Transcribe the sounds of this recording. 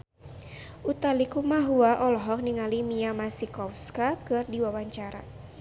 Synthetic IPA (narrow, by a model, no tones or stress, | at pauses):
ʔut̪alikumaɦuaʔɔlɔɦɔk̚niŋalimiamasikɔfskakɨrdiwawaɲt͡ʃaɾa